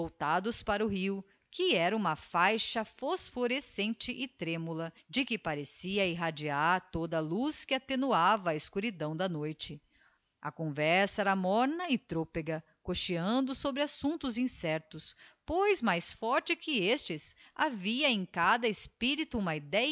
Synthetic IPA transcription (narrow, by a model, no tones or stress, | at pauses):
owt̪ad̪ʊspaɾɐʊɦiw | kɪɛɾɐũmɐfajʃɐfosfoɾesẽnt͡ʃɪʔɪt̪ɾẽmulɐ | d͡ʒɪkɪpaɾesiɐiɦad͡ʒiaɾt̪od̪ɐluskɪat̪enuavɐːɪskuɾid̪ɐ̃w̃d̪ɐnojt͡ʃɪ | ɐ̰kõvɛɾsɐɛɾɐmɔɾnɐɪt̪ɾopeɡɐ | koʃiɐ̃nd̪ʊsobɾɪasũnt̪ʊzĩsɛɾt̪ʊspojzmajsfɔɾt͡ʃɪkɪest͡ʃɪsaviɐẽkad̪ɐespiɾit̪ʊũmɐid̪ɛj